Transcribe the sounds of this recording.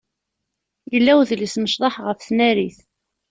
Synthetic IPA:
jəlːæwðlisməʃðˤɑħʁəfθnæɾiθ

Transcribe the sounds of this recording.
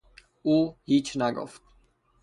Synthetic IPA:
uhit͡ʃnaɡɔ̰f

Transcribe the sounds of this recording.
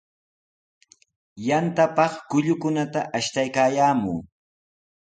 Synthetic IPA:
jant̪apɑχkʊʎʊkʊnat̪aʔaʃt̪ajkaːjaːmuː

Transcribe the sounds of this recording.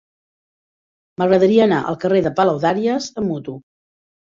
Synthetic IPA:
məɣɾəðəɾiəːnaʔə̰lˠkəreðəpəlawðaɾiəzəmːut̪u

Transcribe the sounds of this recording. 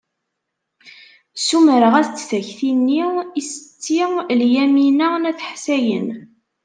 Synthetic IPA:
suməɾəʁæθt͡sːθæçθinːiisə̥t͡sːiljæminənæθħsæjə̰n

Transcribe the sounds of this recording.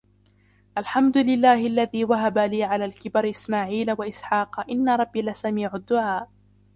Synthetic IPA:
ʔalħamd̪ʊlɪlːaːhɪʔalːaðiːwaɦabaliːʕalaːlkɪbaɾʔɪsmaːʕiːlawaʔɪsħɑːqʔɪnːaɾˤɑbːilasamiːʕʊd̪ːʊʕaːʔ

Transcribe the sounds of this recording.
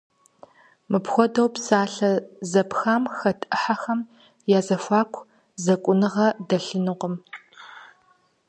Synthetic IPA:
mɨpxʷɔdɐwpsaːɬɐzɐpxaːmxɐtʼɨħaxɐm | jaːzɐfʷaːkʷʰ | zɐkʷʼʊnɨʁɐdɐɬɨnɨqʷəm

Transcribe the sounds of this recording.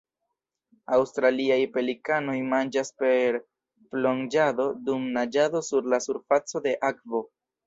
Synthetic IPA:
awstɾaliajpe̞likano̞jmand͡ʒaspe̞ɾ | plo̞nd͡ʒado̞dumnad͡ʒado̞suɾlasuɾfat͡so̞de̞ʔakvo̞

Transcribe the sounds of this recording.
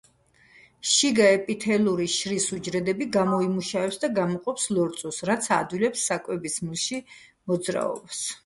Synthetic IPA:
ʃiɡaɛpʼit̪ʰɛlˠuɾiʃɾisud͡ʒɾɛd̪ɛbiɡamɔimuʃavɛpsd̪aɡamɔqʼɔpslɔɾt̪sʼɔsɾat̪sʰad̪wilɛpsːakʼwɛbismilˠʃi | mɔd̪zɾa̰ɔ̰bas

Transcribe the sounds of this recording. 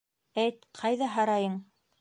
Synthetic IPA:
æjt̪̚qʰɑjðɑɦɑɾɑjɤɴ

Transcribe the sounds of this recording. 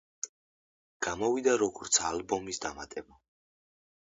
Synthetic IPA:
ɡ̥amɔvid̪aɾɔɡɔɾt̪sʰaalbɔmisd̪amat̪ʼɛba

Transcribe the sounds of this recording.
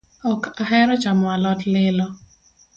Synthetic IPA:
ɔkaɦɛɾɔt͡ʃamɔalɔtlɪlɔ

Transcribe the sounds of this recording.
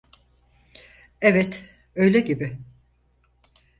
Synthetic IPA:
ɛvɛt̪ | ø̞jlʲɛɟibɪ

